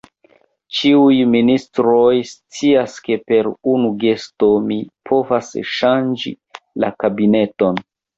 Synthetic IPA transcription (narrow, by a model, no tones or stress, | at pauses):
t͡ʃiujministɾo̞jst͡siaske̞pe̞ɾunuɡe̞sto̞mipʰo̞vasʃand͡ʒḭ | lakabine̞to̞n